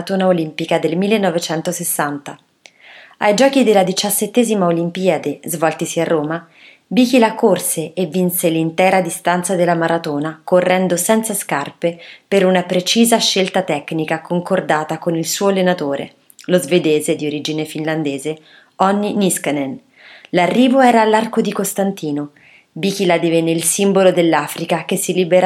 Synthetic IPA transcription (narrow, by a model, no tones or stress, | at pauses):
t̪oːnaolimpikad̪elmilːenːɔvet͡ʃɛnt̪osesːant̪a | a̰jd͡ʒɔːk̟id̪elːad̪it͡ʃasːet̪ːeːzimaolimpiːad̪ezvɔlt̪isiarːoːma | bik̟ilakorseːvːinselint̪ɛːɾad̪ist̪ant̪sad̪elːamaɾʔat̪oːnakorːɛnd̪osɛnt̪saskarpepeɾunapɾet͡ʃiːzaʃːelt̪at̪ɛknikakoŋkord̪aːt̪akonilsuːolenat̪oːɾḛ | lozved̪eːzed̪ioɾiːd͡ʒinefinland̪eːze | ɔnːinisknen | larːiːvoɛːɾaːlːarkod̪ikost̪ant̪iːno | bik̟ilad̪ivenːeilsimbolod̪elːaːfɾikakesːilibeɾ